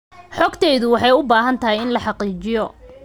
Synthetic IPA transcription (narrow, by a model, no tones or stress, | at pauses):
ħɔɡt̪ʰɛːjðʊwɑħɑjʊbaːɦɐnt̪ʰɐɦɛjɪnlɐħɑqiːt͡ʃɪjɔ